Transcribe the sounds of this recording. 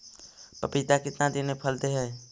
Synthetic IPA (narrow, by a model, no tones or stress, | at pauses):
pəpɪt̪akɪt̪nad̪inẽpʰəlt̪eɦɛː